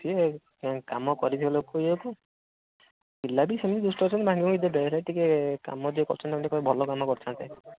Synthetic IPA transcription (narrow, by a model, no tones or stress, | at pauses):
t̪ʰie | kamɔkɔɾit̪ʰibalokueoku | kilːabisemid̪id̪usʈɔɔɾt͡ʃʰɔnibʱãŋɡimũid̪ɔbɛɾaʈikeka̰mɔd̪iekɔ̰ɾt͡ʃʰɔnt̪ɛkɔnikɔbʱɔlɔkamɔkɔɾt͡ʃʰɔnt̪e